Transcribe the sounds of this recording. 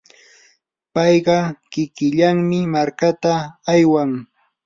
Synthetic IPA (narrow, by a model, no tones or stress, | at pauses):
pɑjɢɑkɪkɪʎaŋmɪmaɾkat̪aːjwaŋ